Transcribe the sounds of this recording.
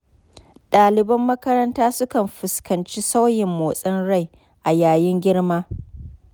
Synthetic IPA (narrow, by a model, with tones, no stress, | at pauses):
ɗaː˨lɪ˨bɐ˦mːɐ˦kɐ˦ɾɐ˦ntaː˦sʊ˦kɐ˨mɸɪ˨skɐ˨nt͡ʃi˦sa˦wjɪ˨mːoː˨sʼɐ˦nɽa˦˨j | ʔa˨jaː˨jɪ˦ŋɡʲɪ˦ɽmaː˦